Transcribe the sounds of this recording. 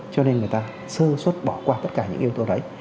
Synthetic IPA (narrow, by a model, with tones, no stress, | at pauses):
t͡ɕɔ˧ne˧nŋɨ˨˩əjt̪aː˧ | sɨ˧swə˦˥t̚ɓɔ˧˩kwaː˧t̪ə˦˥t̚kaː˧˩ɲɨ̰˧˥ŋʔi˧wt̪o˧ɗə˨˦j